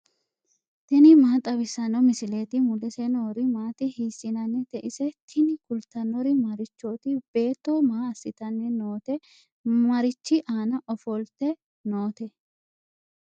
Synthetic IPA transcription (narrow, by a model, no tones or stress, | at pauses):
t̪ɛnɪmaːt̪ʼɐbɪsːɐnɔmɪsɪleːt̪ɪmʊlɛsɛnoːɾɪmaːt̪ɪhiːsːɪnɐnːɛt̪ɛʔɪsɛt̪ʰɪnɪkʊlt̪ɐnːɔɾɪmɐɾɪt͡ʃːoːt̪ɪb̥e̞ːt̪ːɔmaːɐsːɪt̪ɐnːɛnoːt̪ɛ | mɐɾɪt͡ʃːɪʔaːnɐʔɔfɔlt̪ɛ | noːt̪ɛ